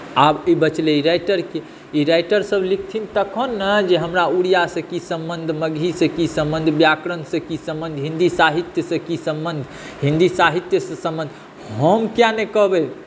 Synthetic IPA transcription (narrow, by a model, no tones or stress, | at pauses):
abibət͡ʃleiɾajʈəɾke | iɾajʈəɾsəblik̚ʰt̪ʰint̪əkʰonːəd͡ʒeɦəmɾauɽijasə̃kisə̃mbənd̪ʱməɡʱisə̃kisə̃mbənd̪ʱbjakɾənsə̃kisə̃mbənd̪ʱɦĩnd̪isaɦit̪jəsə̃kisə̃mbənd̪ʱ | ɦĩnd̪isaɦit̪jəsəsə̃mbənd̪ʱ | ɦəmkjanekəɦbɛ